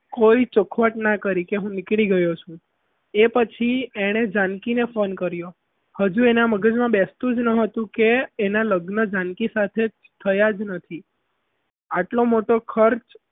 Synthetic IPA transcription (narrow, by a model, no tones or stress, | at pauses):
koit͡ʃʊkʰʋəʈnakəɾikeɦũnɪkɭiɡəjot͡ʃʰũ | epət͡ʃʰieɽ̃ed͡ʒãnkinefonkəɾjo | həd͡ʒuenaməɡəd͡ʒmãbɛst̪ũd͡ʒnəɦət̪ũkeːnaləɡnəd͡ʒãnkisat̪ʰe | t̪ʰəjad͡ʒnət̪ʰi | aʈlomoʈokʰəɾt͡ʃ